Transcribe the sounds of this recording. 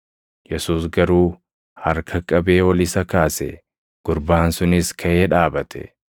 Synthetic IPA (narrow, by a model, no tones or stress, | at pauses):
jɛsuːsɡɐɾuː | hɐɾkʰɐkʼɐbeːwɐlɪsɐkaːsɛ | ɡ̥ʊɾbaːnsʊnɪskʰɐʔeːᶑaːbɐt̪ʰɛ̥̰